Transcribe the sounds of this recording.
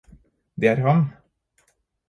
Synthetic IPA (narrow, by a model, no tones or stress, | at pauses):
d̪eːæːɾhɑn